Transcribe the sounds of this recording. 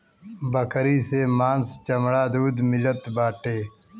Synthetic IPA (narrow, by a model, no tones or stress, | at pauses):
bɐkɾiːseːmaːnst͡ɕɐmɽaːd̪uːd̪milɐt̪baːʈeː